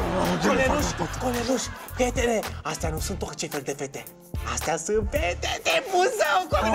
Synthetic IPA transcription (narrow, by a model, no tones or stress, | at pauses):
koleluʃkoleluʃpʲet̪eneast̪ʲanusɨ̃nt̪okt͡ʃefeld̪efet̪e | ast̪ʲasɨnpet̪et̪emuzawka